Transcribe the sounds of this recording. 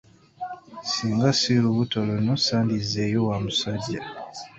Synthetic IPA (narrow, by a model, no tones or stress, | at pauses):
siːŋɡasiluβutolonosaːndizejowamusaɟːa